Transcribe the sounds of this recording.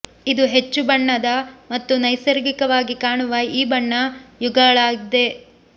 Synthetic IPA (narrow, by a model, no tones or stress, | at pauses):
id̪uɦe̞t͡ʃːubɐɳːɐd̪ɐmɐt̪ːunɐjsɐɾɡikɐʋaːɡikaːɳuʋɐiːbɐɳːɐjuɡɐɐɭaːɡid̪e̞